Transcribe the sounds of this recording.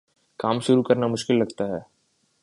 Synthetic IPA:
kaːmʃʊɾukɐɾnamʊʃkɪlːɐɡt̪aɦɛː

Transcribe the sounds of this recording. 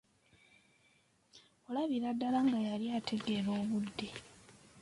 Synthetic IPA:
o̞laβiɾadːalaŋɡajaljaːtʰe̞ɡe̞ɾo̞ːβudːe̞

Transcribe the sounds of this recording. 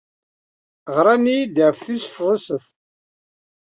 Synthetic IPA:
ʁɾˤanijid̪əʕfθisfðˤəsəθ

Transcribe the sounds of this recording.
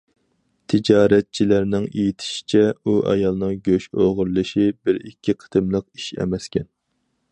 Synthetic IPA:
t̪ʰɪd͡ʒɑːɾɛt̪̚t͡ʃʰilæɾnɪŋejit̪ʰɪ̥ʃi̥t͡ʃʰɛuʔɑ̰jɑlˠnɨŋɡʲøʃoʁʊɾlˠɨʃibɪɾikʲʰːiqʰə̥t̪ɨmlˠəq̚i̥ʃɛ̰mɛskʲʰɛn

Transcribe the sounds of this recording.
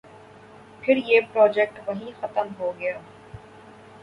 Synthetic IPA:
pʰɪɾjeːpɾɔːd͡ʒɛk̚ʈʋɐɦĩxɐt̪əmɦoɡɐjaː

